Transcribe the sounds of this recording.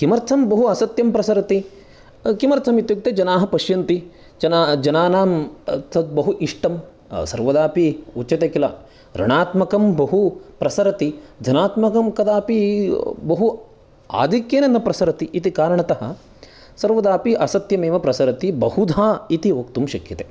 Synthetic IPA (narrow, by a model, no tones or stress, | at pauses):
kimɐɾt̪sʰɐmbɐɦuɐsɐt̪jɐmpɾɐsɐɾɐt̪i | kimɐɾt̪sʰɐmit̪juk̚t̪ed͡ʒɐnaːɦɐ̆pɐʃjɐnt̪i | d͡ʒɐnad͡ʒɐnaːnaːmt̪ɐd̪̚bɐɦuʔiʂʈɐm | sɐ̰ɾʋɐd̪aːpiut͡ʃːɐt̪ekilɐ̰ | ɾɐ̰ɳaːt̪mɐkɐmbɐɦupɾɐsɐɾɐt̪id͡ʒɐnaːt̪mɐkɐmkɐd̪aːpibɐɦu | a̰ːd̪ʱikjeːnɐnːɐpɾɐsɐɾɐt̪iʔit̪ikaːɾɐɳɐt̪ɐɦɐ̆ | sɐɾʋɐd̪aːpiʔɐsɐt̪jɐmeːʋɐpɾɐsɐɾɐt̪ibɐhud̪ʱaːit̪ioːkt̪umʃɐkjɐt̪eː